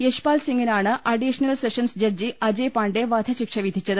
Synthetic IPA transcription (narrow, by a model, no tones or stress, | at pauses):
jeʂpaːlsiŋɡinaːɳɨʔɐɖiʂɐnɐlseʂɐnsd͡ʑɐrd͡ʑiɐd͡ʑepaːɳɖeʋaːd̪ʰʱɐɕikʂɐʋid̪ʱit͡ɕːɐðɨ